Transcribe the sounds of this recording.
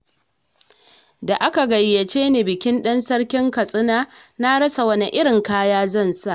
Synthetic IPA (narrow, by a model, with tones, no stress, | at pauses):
da˨ʔa˦ka˨ɡɐ˨jːɐ˨t͡ʃeː˦neː˨bɪ˨kʲɪ˦nɗɐ˦nsɐ˦ɽkʲɪ˦ŋkɐ˨sʼɪ˦naː˦na˦ɽɐ˦sa˨wɐ˦ni˦ʔɪ˦ɽɪ˨ŋkaː˦jaː˦zɐ˦˨nsa˦ʔ